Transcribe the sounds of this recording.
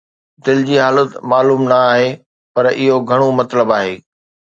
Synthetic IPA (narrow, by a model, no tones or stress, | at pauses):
d̪ɪld͡ʑiːɦaːlət̪maːluːmnɐaːɦe | pɐɾɪɦoɡʱɐɽ̃omɐt̪ləbaːɦeː